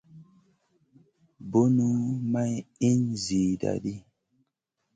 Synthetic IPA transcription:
bo˦nu˦ma˦ji˦nzi˨da̰˨ɗi˦

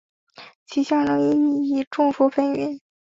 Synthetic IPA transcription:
t͡ɕʰi˧˥ɕjɑ˥˩lə˧˥ŋə˧i˥˩i˥˩ʈ͡ʂʊ˥˩ŋfu˥fə˥nɥɛ˧˥˦n

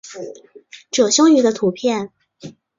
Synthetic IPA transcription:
ʈ͡ʂɤ˨˩ɕjʊ˥ŋy˧˥d̪ə˧t̪ʰu˧˥pʰjɛ˥˩n

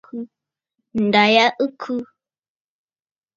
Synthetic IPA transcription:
kʰɨ˧ | nda˨ja˦ʔɨ˦kʰu˦

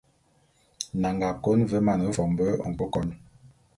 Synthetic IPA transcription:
na˨ŋɡa˨ko˦nvə˦ma˨n˨ə˦vɔ˨m˨bə˦˨ŋ̩˨k͡pə˦kɔ˨˦n

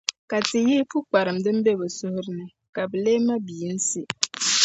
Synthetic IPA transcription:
ka˨tɪ˨jiː˦pu˦k͡pa˨ɾɨ˨mdɨ˦m˦be˦bɛ˨sʊ˦hʊ˦ɾɪ˦nɨ˦ | ka˨bɛ˨leː˦ma˦biː˨˦n̩˦si˦

